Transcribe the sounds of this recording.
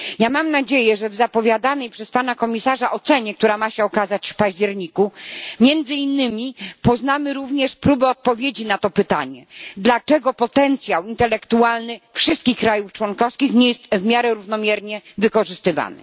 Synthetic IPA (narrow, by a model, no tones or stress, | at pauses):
jamamnad͡ʑejɛʐɛvzapɔvʲjad̪anɛjpʂɛspanakɔmʲisaʐaʔɔt̪sɛɲɛk̚t̪uɾamaɕɛɔkazat͡ɕfpaʑd͡ʑɛɾɲikumʲjɛnd̪zɘinːɘmʲipɔznamɘɾuvɲɛʂpɾubɛɔt̪̚pɔvʲjed͡ʑinat̪ɔpɘt̪a̰ɲɛd̪lat͡ʂɛɡɔpɔt̪ɛnt̪sʲjawint̪ɛlɛkt̪ualnɘfʂɘst̪̚kʲixkːɾajuft͡ʂwɔnkɔfskʲixɲɛjɛst̪vmʲjaɾɛɾuvnɔmʲjɛɾɲɛvɘkɔʐɘst̪ɘva̰nɘ̰